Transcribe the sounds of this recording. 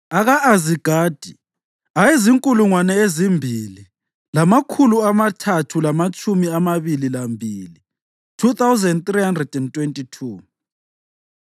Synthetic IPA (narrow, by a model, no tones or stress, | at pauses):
aɣaʔaziɡ̥ʱaːd̥ʱi | ajeziŋkʼuluŋwanɛezimbʱili | lamakʰuluamatʰatʰulamat͡ʃʼumiamaβililambʱiːli | tʰuθawzɛndt̪riɦandrɛd̥ɛntʼwentʼitʰuː